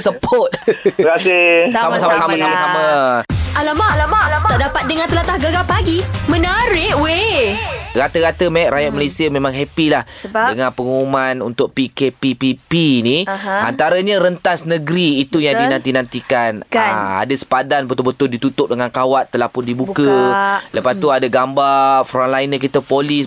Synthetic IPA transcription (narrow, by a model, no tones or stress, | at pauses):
səpʰɔt̪̚kasissamasamasamasamasama | alamaat̪aʔdapat̪̚dəŋant̪əlat̪ahɡəɡapaɡimə̃naɾɪʔwe | ɡat̪əɣat̪əmɛʔ̚ɾajat̪̚malesiəmẽmãŋɦɛpilahdəŋanpəŋuumanṵnt̪ʊk̚pikepipipinia̰nt̪aɾəɲaɾənt̪asnəɡɾiːt̪ujaŋdinãnt̪inant̪ikanaa̰dasə̥padanbət̪ʊlbət̪ʊldit̪ut̪ʊk̚dəŋankawat̪ːəlahpʊndibukələpast̪uadaɡambafɾɔnlainəkit̪əpolis